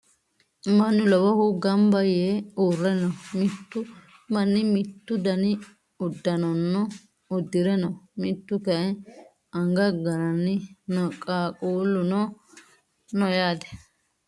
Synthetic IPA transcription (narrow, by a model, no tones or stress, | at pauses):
mɐnːʊlɔbɐhʊɡɐmbɐjeuːrːɛnɐmɪt̪ːʊ | mɐnːɪmɪt̪ːʊd̪ɐnɪ | ʊd̪ːɐnɔnːɔ | ʊd̪ːɪɾɛnɐmɪt̪ːʊkɐʔɛ | ɐŋɡɐɡɐɾɐnːɪnɔkʼaːkʼuːlːʊnɔ | nɔjaːd̪ɛ̥